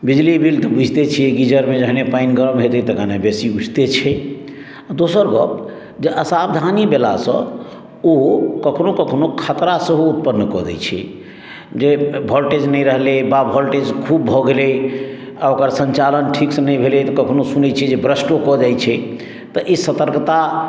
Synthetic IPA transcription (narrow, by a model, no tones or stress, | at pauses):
bid͡ʒlibilt̪əbʱud͡ʒʱt̪et͡ʃʰiɛɡid͡ʒəɾmed͡ʒəɦnepainɡəɾəmɦet̪ɛt̪əkanabesiud͡ʒt̪et͡ʃʰɛ | ad̪osəɾɡɔ̰p̚ | d͡ʒeʔəsabd̪ʱanibela̰sə̰̃ | okəkʰnokəkʰnokʰət̪ɾasəɦuut̪̚pənːkɔd̪ɛ̰jt͡ʃʰɛ̰ | d͡ʒebʱɔlʈed͡ʒnəjɾəɦlebabʱɔlʈed͡ʒkʰubːʱɔɡele | aokəɾsənt͡ʃalənʈʰiksənəjbʱelet̪ɔkəkʰnosunɛt͡ʃʰɛd͡ʒebɾəsʈokɔd͡ʒajt͡ʃʰɛ | t̪əʔisət̪əɾkt̪a